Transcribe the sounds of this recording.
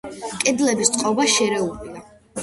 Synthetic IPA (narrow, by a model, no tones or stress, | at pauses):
kʼɛd̪lɛbist̪sʼqʼɔbaʃɛɾɛulia